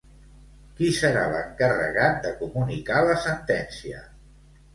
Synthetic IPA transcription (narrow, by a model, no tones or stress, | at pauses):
kisəɾa̰lə̰ŋkərə̰ɣat̪̚d̪əkumunikaləsənt̪ɛnsiə